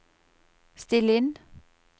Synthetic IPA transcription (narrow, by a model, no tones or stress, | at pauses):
st̪ɪlɪn